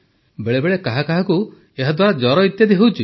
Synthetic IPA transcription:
beɭebeɭekaɦakaɦaku | eɦad̪waɾad͡ʒɔɾɔit̪jad̪eɦuwt͡ʃʰi

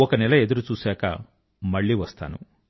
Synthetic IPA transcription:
ɔkɐnɛlɐe̞d̪uɾut͡ʃuːsɛːkɐ̰ | mɐɭːiʋɐst̪a̰ːnṵ

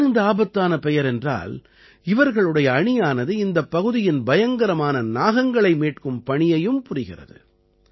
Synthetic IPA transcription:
ɪnd̪aːbɐt̪ːaːnɐpɛjɐɾɛndra̰ːl | ɪʋɐɾɣɐɭɯɽɐjɐːɳɪjaːnɐðɯɪnd̪ɐpːɐɣɯðɪjɪnbɐjɐŋɡɐɾɐmaːnɐnaːɣɐŋɡɐɭɐɪmeːʈ̚kɯmpɐɳɪjɐjɯmpʊrɪɣɪrɐ̰ðɯ̰

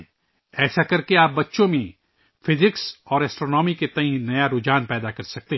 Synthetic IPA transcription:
ɛːsakɐɾkeaːp̚bɐtːʃõmẽ | fɪzɪksɔːɾɛːsʈɾoːnɔːmiket̪ɐɦĩnɐjaɾʊd͡ʒaːnpɛːd̪akɐɾsɐk̚t̪e

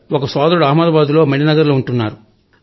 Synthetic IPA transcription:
ɔkɐsaːd̪ɐɾuɽuɐːmɐd̪ɐʋaːd̪ulo̞ːmɐɽinɐɡɐɾloːuɳʈunːaːɾu

